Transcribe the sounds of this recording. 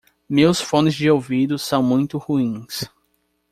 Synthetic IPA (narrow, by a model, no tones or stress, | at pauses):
mewsfõnɪzd͡ʒɪowvid̪ʊsɐ̃w̃mũj̃t̪ʊhuĩs